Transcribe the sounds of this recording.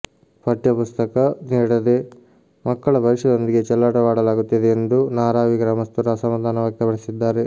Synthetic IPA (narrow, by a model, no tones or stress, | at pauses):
pʰɐʈjɐpust̪ɐkɐniːɽɐd̪e̞ | mɐkːɐɭɐbʱɐɾiʂɐd̪o̞nd̪iɡe̞t͡ʃɐlːaːʈɐʋaːɽɐlaːɡut̪ːid̪eːnd̪unaːɾaːʋiɡɾaːmɐst̪uɾaːsɐmɐd̪aːnɐʋaːk̚t̪ɐpɐɽisid̪ːaːɾe